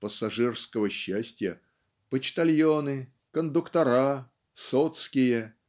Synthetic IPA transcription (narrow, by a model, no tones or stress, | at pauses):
pəsɐʐɨrskəvəɕːæsʲtʲɪjə | pət͡ɕt̪ɐlʲjonɨ | kənd̪ʊkt̪ɐɾa | sot̪skʲɪjə